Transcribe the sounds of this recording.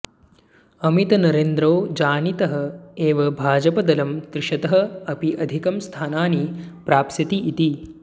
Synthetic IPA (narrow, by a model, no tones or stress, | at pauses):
ɐmit̪ɐnɐɾeːnd̪ɾoːd͡ʒaːnit̪ɐɦɐ̆eːʋɐbʱaːd͡ʒɐpɐd̪ɐlɐmt̪ɾɪʃɐt̪ɐɦɐ̆ɐpiʔɐd̪ʱikɐmst̪ʰaːnaːnipɾaːpsɐt̪iʔːt̪i